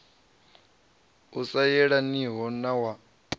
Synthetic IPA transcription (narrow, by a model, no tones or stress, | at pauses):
usajɛɺaniɦɔnawa